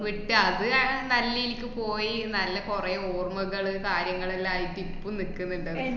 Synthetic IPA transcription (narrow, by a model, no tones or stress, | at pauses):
ʋiʈːɨɐðɨɐnɐlːijilikʲːɨpo̞ːjinɐlːɐkurɐjoːrmɐɣɐɭɨkaːɾjɐŋːɐɭelːaːjit̪ːipːunikːunːuɳɖɐðɨ